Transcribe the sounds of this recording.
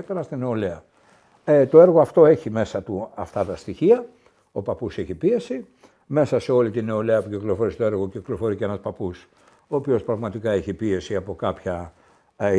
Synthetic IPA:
t̪eɾɐst̪ine̞o̞le̞ɐ | t̪o̞e̞ɾɣoɐft̪o̞e̞çime̞sɐt̪uɐft̪ɐt̪ɐst̪içiɐ | o̞pɐpuseçipie̞si | me̞sɐse̞o̞lit̪ine̞o̞le̞ɐpuciklo̞fo̞ɾiset̪o̞e̞ɾɣo̞ciklo̞fo̞ɾiceenɐspɐpus | o̞ːpio̞spɾɐɣmɐt̪ikɐeçipie̞siɐpo̞kɐpçɐ

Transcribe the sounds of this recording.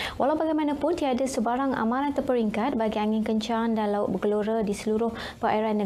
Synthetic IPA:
walawbaɡajmãnãpʊntiadasəbaɾaŋa̰mãɾant̪ərpəɾiŋkat̪̚baɡiaŋɪnkəɲt͡ʃandanlaʊt̪̚bəɡəluɾadisəluɾʊh | pəʔa̰iɾanːə

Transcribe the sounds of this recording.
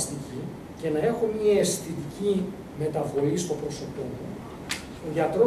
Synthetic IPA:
st̪ici | ce̞nɐe̞xomɲɐesθit̪ici | me̞t̪ɐvo̞ist̪o̞pɾo̞sot̪omo | ðjɐt̪ɾo

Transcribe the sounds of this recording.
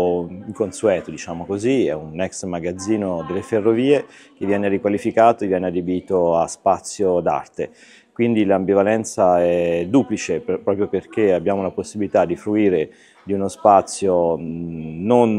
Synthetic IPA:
iŋkonsuɛːt̪od̪it͡ʃaːmokoziɛunɛksmaɡad̪zːiːnod̪elːeferːoviːek̟evːjɛːnerikwalifikaːt̪oevjɛːnead̪ebiːt̪oaspat̪sːjod̪a̰rt̪e | kwind̪ilambivalɛnt̪saɛd̪ːuplit͡ʃepɾɔːpɾjoperk̟eabːjaːmolaposːibilit̪ad̪ifɾuiːɾe | d̪iunospat̪sːjo | non

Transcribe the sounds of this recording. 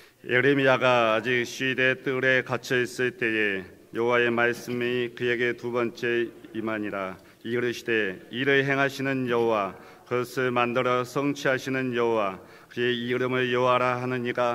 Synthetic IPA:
eɾemiaɡaːd͡ʑik̚ɕ͈ɥide̞t͈ɯɾe̞kat͡ɕʰʌis͈ɯɭt͈e̞e | jʌɦowae̞maɭs͈ɯmikɯje̞ɡe̞tubʌnt͡ɕ͈e̞imaɲiɾa | iɾɯɕʰide̞iɾɯɭɦe̞ŋɦaɕʰinɯnjʌɦowa | kɯsʰɯɭmandɯɾʌsʰʌŋt͡ɕʰiɦaɕʰinɯnjʌɦowa | kɯe̞iɾɯmɯɭjʌɾaɦanɯɲiɡa

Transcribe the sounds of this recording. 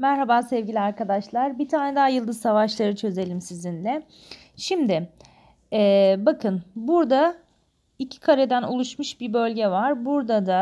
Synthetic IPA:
mæɾɦabasɛvɟilʲiaɾkad̪aʃlˠaɾbit̪ʰaːnɛd̪aɦajɯlˠd̪ɯzsavaʃlˠaɾɯt͡ʃʰø̞ze̞lʲimsizinlʲɛ | ʃimd̪ɪ | ɛːbakʰɯnbuɾd̪a | icʰi̥kʰaɾɛd̪ænṵlˠuʃmuʃbibø̞lʲɟɛvaɾbuɾd̪ad̪a

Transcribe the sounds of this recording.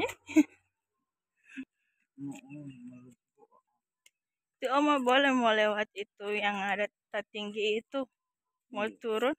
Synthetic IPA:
ɛ | t̪iɔmɔbolɛhmɔlewat̪̚it̪ujaŋada | t̪ːat̪iŋɡiːt̪u | mɔt̪uɾʊt̪̚

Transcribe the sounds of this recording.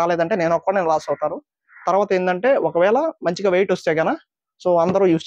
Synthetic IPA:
aːleːd̪ɐɳʈe̞ːne̞ːnɔkːɐʋaːneːnulaːsɐwt̪aːɾu | t̪ɐɾuʋaːt̪ɐeːnd̪ɐɳʈe̞ːʔɔkɐʋɛːɭɐmɐɲt͡ʃiɡaːʋejʈɔst̪eːɡɐnaː | so̞ːɐnd̪ɐɾujuːst͡ʃ

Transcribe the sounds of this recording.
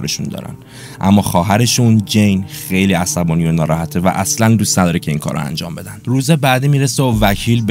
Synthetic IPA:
ɾeʃund̪ɒ̰ːɾæ̰n | ʔæ̰mːɒːxɒːɦæɾe̞ʃund͡ʒejnxe̞jliːæsæbɒːnijonɒːɾɒːhæt̪ʰevæ̰ʔæslænd̪uːst̪næd̪ɒːɾecʰe̞iːŋkʰɒ̰ːɾo̰æ̰nd͡ʒɒ̰ːmbe̞d̪ænd̪̥ɾuːzebæːd̪iːmiːɾeseovæcʰiːlb

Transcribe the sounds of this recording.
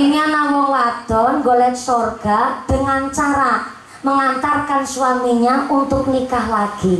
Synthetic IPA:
iɲanamɔwad̪̥ɔnŋɡolɛnsorɡ̥ad̪̥əŋant͡ʃaɾa | məŋant̪arkansuwamiɲaunt̪ʊk̚nikaɦlaɡ̥i

